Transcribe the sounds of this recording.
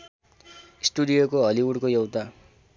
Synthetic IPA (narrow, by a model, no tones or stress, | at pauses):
isʈuɽijokoɦʌliuɽkojʌwt̪a